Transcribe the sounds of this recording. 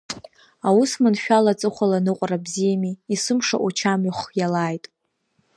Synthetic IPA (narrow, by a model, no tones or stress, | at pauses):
awusmanʃᶣalat͡sʼɨχʷalanɨqʷʼarabzijamiːsɨmʂa̰ʔut͡ʃʰamiχjalaːjtʼ